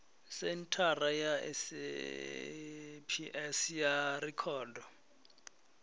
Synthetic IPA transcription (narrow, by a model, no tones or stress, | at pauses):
sentʰarajaɛ̰s | pʰiʔɛsjarikʰɔːdɔ